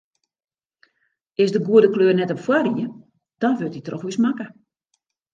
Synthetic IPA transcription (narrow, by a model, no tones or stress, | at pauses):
ɪsdəɡuədəkløːrnɛtɔpfwariə | d̥ɔnʋøtitrɔxʋysmakə